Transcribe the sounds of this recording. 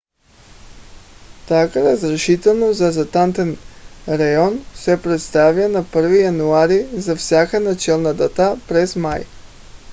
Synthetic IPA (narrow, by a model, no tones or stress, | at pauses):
t̪akaɾazɾeʃit̪ɛnozazat̪ant̪ɛnɾajonsɛpɾɛt̪st̪avjanapr̩vijanuaɾizafsʲjakanat͡ʃɛlˠnad̪at̪apɾɛzmaj